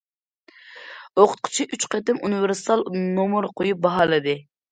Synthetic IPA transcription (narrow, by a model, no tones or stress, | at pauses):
oqʰʊ̥t̪̚qʰʊ̥t͡ʃʰiʔyt͡ʃqøt̪ɪmunɨvɪɾsɨ̥t̪ɑlˠnomuɾqʰojup̚bɑɦɑːlˠɨd̪ɨ